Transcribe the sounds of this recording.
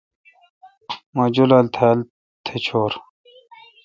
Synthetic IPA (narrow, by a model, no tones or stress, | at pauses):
mɐd͡ʑulɐlt̪ʰel | t̪ʰet͡ɕʰoːɾ